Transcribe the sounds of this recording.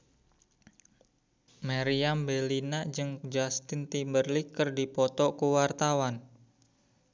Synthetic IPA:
maɾiambelinad͡ʒɨŋd͡ʒast̪ɪnt̪imbərlikərdipɔt̪ɔkuwart̪awan

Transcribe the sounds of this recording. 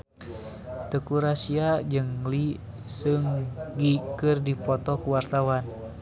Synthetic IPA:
t̪əkuɾasiad͡ʒɨŋli | sɨŋɡikɨrdipɔt̪ɔkuwart̪awan

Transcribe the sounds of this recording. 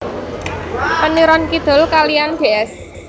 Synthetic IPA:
pəniɾɔnkid̪̥ɔ̤lkalijand̪̥e̤ʔɛs

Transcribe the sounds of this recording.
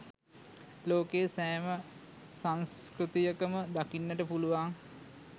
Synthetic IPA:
loːkeːsæːmə | saŋskɾit̪ijəkəməd̪akinːəʈəpuluʋaŋ

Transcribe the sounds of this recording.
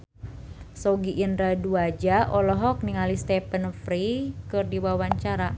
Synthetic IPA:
sɔɡiʔːnɾaduad͡ʒaʔɔlɔɦɔk̚niŋalist̪ɛpənfɾikɨrdiwawaɲt͡ʃaɾa

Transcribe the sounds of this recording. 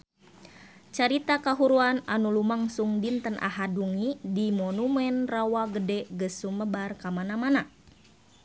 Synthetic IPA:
t͡ʃaɾit̪akaɦuɾuananulumaŋsuŋdint̪ənʔa̰ɦaduŋidimɔnumɛnrawaɡədɛɡəsuməbarkamanamana

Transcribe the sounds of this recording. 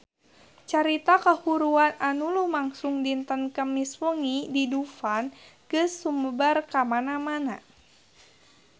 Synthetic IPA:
t͡ʃaɾit̪akahuɾuananulumaŋsuŋdint̪ənkəmiswəŋididufanɡ̥ɨsːuməbərkamanamana̰

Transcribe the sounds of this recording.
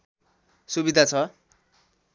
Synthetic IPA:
subid̪ʱat͡sʰʌ

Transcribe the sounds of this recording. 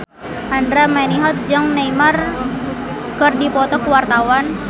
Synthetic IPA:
ʔandɾamaniɦɔt̪̚d͡ʒaŋnajmar | kɨrdipɔt̪ɔkuwart̪awan

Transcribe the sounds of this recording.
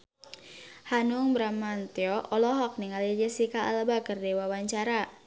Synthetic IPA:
hanuŋbɾamant̪eɔʔɔlɔɦɔk̚niŋalid͡ʒəsikaa̰lbakərdewawaɲt͡ʃaɾa

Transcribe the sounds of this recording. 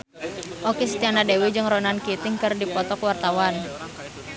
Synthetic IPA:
ʔokisə̥t̪ianadewid͡ʒɨŋɾɔnankit̪ɪŋkərdipɔt̪ɔkwart̪awan

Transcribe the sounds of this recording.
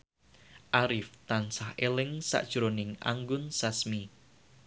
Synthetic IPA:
ʔaɾɪft̪ansahelɪŋsa̰ʔd̥ʒ̥ɾonɪŋa̰ŋɡʊnsasmi

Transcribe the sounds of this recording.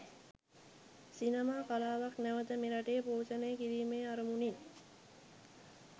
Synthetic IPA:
sinəmaːkalaːʋaknæʋət̪əmeɾaʈejːpoːsənəjəkiɾiːmeːaɾəmunin

